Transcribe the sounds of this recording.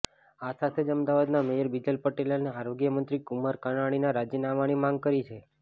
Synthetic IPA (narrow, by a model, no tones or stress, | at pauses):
asat̪ʰed͡ʒəmd̪aʋad̪namejəɾbid͡ʒəlpəʈelaneaɾoɡjəmənt̪ɾikumaɾkanaɽ̃inaɾad͡ʒjənaʋaɽ̃imãŋɡ̚kəɾit͡ʃʰe